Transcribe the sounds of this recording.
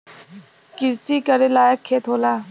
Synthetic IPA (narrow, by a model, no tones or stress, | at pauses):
kɪɾsiːkəɾelaːjəkʰːeːt̪ʰoːlaː